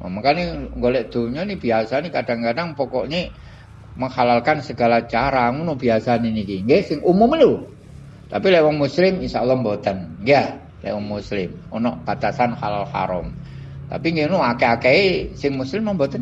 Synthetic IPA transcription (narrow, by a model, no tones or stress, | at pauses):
ma̰maŋkaniŋɡolɛʔd̪̥o̤ɲɔnib̥iasanikad̥aŋkadaŋpɔkɔʔɲe | məŋhalalkansəɡ̥alat͡ʃaɾaŋunubiasaninikiŋɡesɪŋʔumʊmlu | t̪apilewɔŋmuslɪminsaulːɔmbot̪ənŋɡa | lʔḛwɔŋmuslɪmɔnɔʔb̥at̪asanhalalha̰ɾɔ̰m | t̪a̰piŋɡeunuakeakeisɪŋmuslɪmambot̪ən